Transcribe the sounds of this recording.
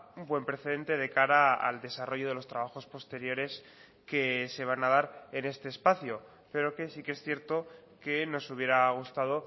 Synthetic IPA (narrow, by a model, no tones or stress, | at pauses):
ubwe̞mpɾe̞θe̞ð̞e̞nt̪e̞ðe̞kaɾaa̰ld̪e̞saro̞ʝo̞ð̞e̞lo̞st̪ɾaβ̞axo̞spo̞st̪e̞ɾjo̞ɾe̞s | ke̞se̞β̞anaðaɾe̞ne̞st̪e̞ːspaθjo | pe̞ɾo̞ke̞sikeesθje̞ɾt̪o̞ke̞no̞suβ̞je̞ɾaɣ̞ust̪að̞o̞